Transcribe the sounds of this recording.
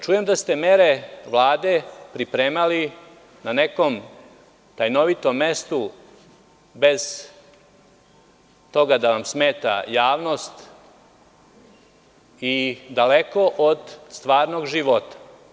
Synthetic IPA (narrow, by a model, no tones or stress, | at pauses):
t͡ʃuje̞md̪ast̪eme̞ɾeʋlˠaːd̪e̞pɾipɾeːmali | nane̞ko̞m | t̪ajno̞ʋit̪omːe̞st̪u | be̞z̥ | t̪o̞ɡad̪aʋamsmeːt̪a̰jaːʋno̞st̪ | id̪aleko̞ʔod̪st̪ʋaːɾno̞ɡʒiʋo̞t̪ḁ